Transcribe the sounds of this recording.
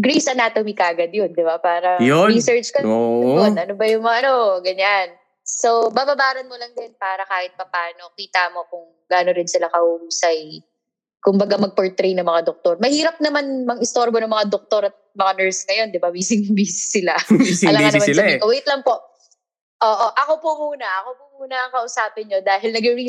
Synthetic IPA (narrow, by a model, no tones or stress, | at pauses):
ɡɾejsɐnaːt̪ɐmɪkaːɡɐd̪jond̪ɪbapaːɾɐjisɛɹt͡ʃkɐjonʔɐnobɐjʊŋmaʔɐno̞ɡɐɲan | so̞baːbabaːɾɐnmolɐŋd̪ɪnpaːɾɐkaːhɪt̪̚pɐpaːno̞kiːt̪amo̞kʊŋ | ɡaːnoɾɪnsɪlakɐhʊʔuːsɐj | kʊmbɐɡamɐɡ̚pɛɹt̪ɾejnɐŋmɐŋad̪ok̚t̪oɾmɐhiːɾɐp̚nɐmanmɐŋɪst̪oɾbonɐŋmɐŋad̪ok̚t̪oɾɐt̪̚mɐŋanɛɹsŋɐjo̞nd̪ɪbawiːsɪŋbiːssɪlaɐ̰lɐkɐnɐmaɐɐɪkɐwɛjt̪lɐŋpo̞ʔ | ʔoːʔoʔɐko̞pʊmuːnɐʔɐkopʊmuːnɐŋkɐʔʊsaːpɪnɲo̞d̪aːɦɪlnɐɡɪɾi